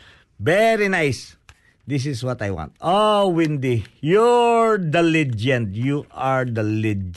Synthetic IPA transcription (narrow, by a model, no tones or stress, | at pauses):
vɛɾinajs | d̪ɪs̬ɪswɔt̪ajwã̰nt̪owɪ̃nd̪ijɔɹd̪ɪlid͡ʒɛ̃nt̪juʔaɹd̪əlid͡ʒ